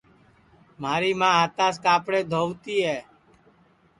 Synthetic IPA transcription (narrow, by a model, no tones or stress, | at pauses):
m̤aːɾiːmãːɦət̪aːskaːpɽeːd̪ʱoːʋt̪iːɦɛː